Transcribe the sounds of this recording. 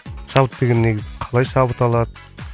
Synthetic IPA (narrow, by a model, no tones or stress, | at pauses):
ʃɑβət̪ːe̞ɡʲenːeɡʲɪzɪqʰɑlˠɑjʃɑbət̪ɑlˠɑd̪ə